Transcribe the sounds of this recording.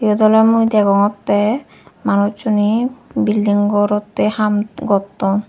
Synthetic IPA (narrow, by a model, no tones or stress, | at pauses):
iɔd̪ɔlemujd̪ɛɡɔŋɔt̪ːɛ | manut͡ʃunibilːiŋɡɔɾɔt̪ːehamɡɔt̪ːɔn